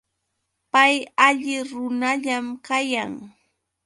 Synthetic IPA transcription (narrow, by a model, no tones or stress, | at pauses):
pajaʎɪɾʊnaʎamkajaŋ